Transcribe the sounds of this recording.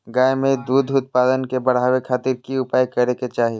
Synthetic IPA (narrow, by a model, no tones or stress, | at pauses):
ɡaːemẽd̪uːd̪ʱʊt̪̚paːd̪ənkebɐɽ̤ɦaːwekʰaːt̪iɾkiʊpaːjkɐɾeket͡ʃaːɦi